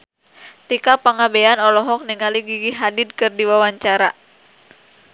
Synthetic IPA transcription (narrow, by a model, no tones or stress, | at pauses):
t̪ikapaŋabɛanɔlɔɦɔk̚niŋaliɡiɡiɦadid̪̚kɨrdiwawaɲt͡ʃaɾa